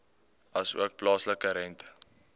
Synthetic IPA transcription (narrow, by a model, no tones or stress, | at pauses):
ɐsṵək̚plɑːsləkəɾɛntə̥